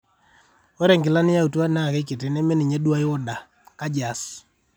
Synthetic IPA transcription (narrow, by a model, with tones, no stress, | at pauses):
ɔ˦ɾɛ˨ŋɡɪ˨la˦nɪ˦a˦u˨tu˦a˦na˦˨kɛ˦kɪ˨tɪ˨˦nɛ˦mɛ˦nɪ˨ɲe˦dwa˦ɪ˦ɔ˦da˨ | ka˦d͡ʒa˨s